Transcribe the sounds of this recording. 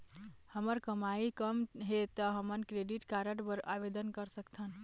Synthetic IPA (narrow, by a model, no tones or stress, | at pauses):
həməɾkəmaikəmɦet̪əɦəmənkɾeɖiʈkaɾəɽpəɾʔabed̪ənkəɾsəkt̪ʰən